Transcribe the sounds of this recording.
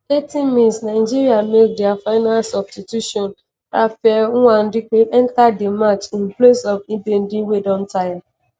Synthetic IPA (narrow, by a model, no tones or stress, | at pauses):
etimĩsnaɪd͡ʒiɾiamediafaɪnalsɔbstitjuʃɔn | ɾafɛŋ̩ŋʷan̩dɪkeʔɛn̩tadɪmat͡ʃimplesɔviben̩dɪwedɔ̃n̩taja